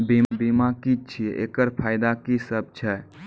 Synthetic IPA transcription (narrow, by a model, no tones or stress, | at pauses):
bibimakit͡ʃʰiʔḛkəɾpʰajd̪akisəb̚t͡ʃʰɛ